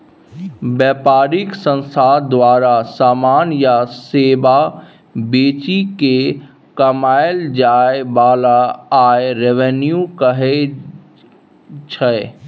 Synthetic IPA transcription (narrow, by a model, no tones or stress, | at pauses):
bɛːpaːɾɪksə̃nst̪ʰad̪waːɾasaːmaːnjaseːba | beːt͡ʃike | kəmaːɪld͡ʒaːebaːlaaːeɾeʋenjukəɦe | t͡ʃʰə